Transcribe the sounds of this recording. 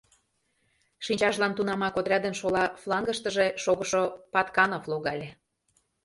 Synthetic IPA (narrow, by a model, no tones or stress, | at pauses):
ʃinʲt͡ɕɑʃlɑnt̪unɑmɑkod̪ɾʲɑd̪ənʃolɑflˠɑŋɡə̆ʃt̪əʒeʃoɣəʃopɑt̪kɑnoflˠoɣɑlʲe